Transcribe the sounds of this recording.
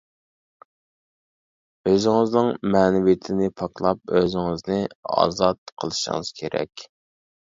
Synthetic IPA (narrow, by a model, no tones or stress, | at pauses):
øzɪŋɨznɨŋmɛːnɪwijɪt̪ʰɪnɪpʰɑklˠɑp̚øzɪŋɨznɪɑ̰ːzɑt̪̚qʰəlˠɨʃɨ̰ŋɨz̥kʲʰeɾɛ̰kʲ